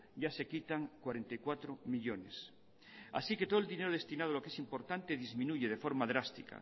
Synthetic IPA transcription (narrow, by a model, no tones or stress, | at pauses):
ɟ͡ʝase̞kit̪aŋkwaɾe̞nt̪ajkwat̪ɾomiʎone̞s | a̰siket̪o̞ðeline̞ɾoð̞e̞st̪inaðalo̞ke̞simpo̞ɾt̪ant̪eðizmĩnuʝeð̞e̞fo̞ɾmaðɾast̪ika̰